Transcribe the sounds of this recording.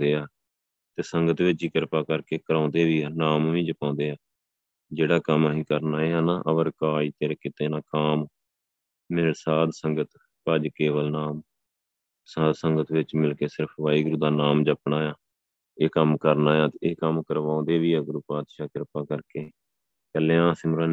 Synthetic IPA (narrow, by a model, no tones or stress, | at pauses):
eːaː | t̪eːsəŋɡət̪ʋɪt͡ʃiːkɪɾpaːkəɾkeːkəɾãːʊnd̪eːʋiːnaːmʋĩːd͡ʒəpãːnd̪eːaː | d͡ʒeːɽaːkəməɦĩːkəɾnaːeːɦaːnaːʔəʋəɾkaːiːt̪eːɾkɪt̪eːnãːkaːmː | ɪːɽsaːd̪səŋɡət̪ | pəd͡ʒkeːʋəlnaːm | saːd̪səŋɡət̪ʋɪt͡ʃmɪlkeːsɪɾpʰʋaːiːɡʊɾuːd̪aːnaːmd͡ʒəpɳaːjaː | eːkəmkəɾnaːjaːt̪ːeːkəmkəɾʋãːnd̪eːʋiːɛːɡʊɾuːpaːd̪ʃaːkɪɾpaːkəɾkeː | kəleːãːsɪmɾãː